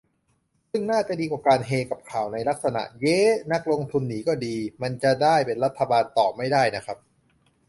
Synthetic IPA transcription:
sɯ˥˩ŋnaː˥˩t͡ɕa˨˩diː˧kwaː˨˩kaː˧nɦeː˧ka˨˩p̚kʰaː˨˩wna˧jla˦˥k̚sa˧na̰˨˩ʔje˦˥na˦˥k̚lo˧ŋt̪ʰu˧nːiː˩˦kɔː˥˩diː˧ma˧nt͡ɕa˨˩daː˥˩jpe˧nɾa˦˥t̪ʰːa˧baː˧nt̪ɔː˨˩p̚ma˥˩jdaː˥˩jna˦˥kʰa˦˥p̚

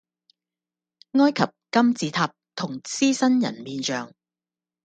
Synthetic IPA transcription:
ŋɔː˥jkʰɐ˨p̚kɐ˥mt͡siː˨˧t̪ʰaː˧p̚t̪ʰʊ˨˩ŋt͡siː˥sɐ˥njɐ̰˨˩nmiː˨˧nt͡ʃœː˨ŋ

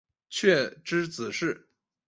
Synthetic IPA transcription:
t͡ɕʰɥɛ˥˩ʈ͡ʂɻ̩˥t͡sɹ̩˨˩ʂɻ̩˥˩

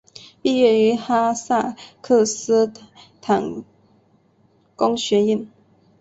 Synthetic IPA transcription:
pi˥˧ɥɛ˥˩y˧˥xa˥sa˥˩kʰɤ˥˩s̩˥t̪ʰa˨˩ŋ | ko˥ŋɕɥɛ˧˥˦i˥˩n

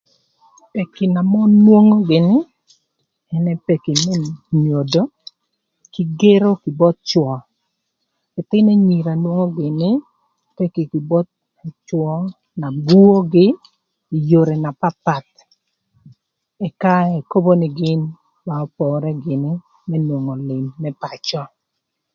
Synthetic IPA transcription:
pe˨kɪ˨na˨mɔ˦nwo˦ŋo˦ɡɪ˨nɪ˦ | ɛ˦nɛ˦pe˨kɪ˨nɛ˦ɲo˨do˦ | kɪ˨˦ɡe˦ɾo˦kɪ˨bɔ˦t̪̚t͡ʃwɔ˨ | ɪ˨t̪ɪ˦nɛ˦ɲi˨ɾa˨nwo˦ŋo˦ɡɪ˨nɪ˦ | pe˦ki˨kɪ˨bɔ˦t̪̚ | t͡ʃwɔ˦ | na˨ɡu˦o˦ɡɪ˦ | i˨jo˨ɾe˨na˨pa˦pa˨t̪̚ | ɛ˨ka˦ɛ˨ko˦bo˦nɪ˨ɡɪ˦n | ma˨ɔ˦pɔ˨ɾɛ˦ɡɪ˨nɪ˦ | mɛ˦nwo˨ŋɔ˨lɪ˨mːɛ˦pa˨t͡ʃɔ˦

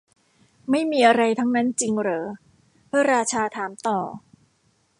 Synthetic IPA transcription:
ma˥˩jmiː˧ʔa˧ɾa˧jt̪ʰa˦˥ŋna˦˥nt͡ɕi˧ŋɾɤː˩˦ | pʰɯ˥˩ɐɾaː˧t͡ɕʰaː˧t̪ʰaː˩˦mt̪ɔː˨˩

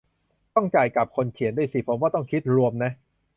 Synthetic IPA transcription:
t̪ɔ˥˩ŋt͡ɕaː˨˩jka˨˩p̚kʰo˧nkʰi˨˩˦ndu˥˩˨jsi˧˩pʰo˩˨˦mwaː˥˩t̪ɔ˥˩ŋkʰi˦˥t̪̚ɾu˧əmna˦˥ʔ

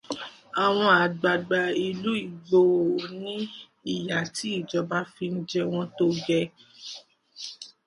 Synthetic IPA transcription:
a˨w̃ɔ̃˧a˨ɡ͡ba˧ɡ͡ba˧i˧lu˨˦i˦˨ɡ͡bo˧o˨nĩ˦ | i˦˨ja˨ti˨˦i˦˨d͡ʒɔ˧ba˦fi˧n̩˦d͡ʒɛ˧w̃ɔ̃˧to˦ɡɛ˧

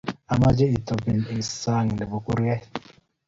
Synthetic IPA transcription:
a˨ma˦d͡ʒe˦i˨to˨pi˨ni˨sa˦˨ŋ˨ne˨bu˦ku˦ɾjɛ˦

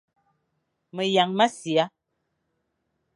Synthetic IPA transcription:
mə˨ja˨ŋma˦si˨a˦

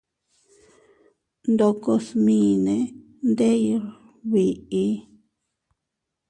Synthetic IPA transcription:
nd̪o˧ko˧smĩ˨nẽ˧ | nd̪e˦jɾ | βi˨ʔi˧˦

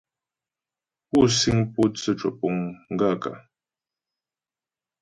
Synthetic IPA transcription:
pu˦˨si˦ŋpu˦t͡sə˦˨t͡ʃə˨pu˦ŋŋ̩˦ɡa˦˨ka̰˨

